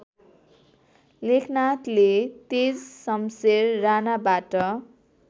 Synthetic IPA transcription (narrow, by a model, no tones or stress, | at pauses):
lekʰnat̪let̪ed͡zsʌmserːanabaʈʌ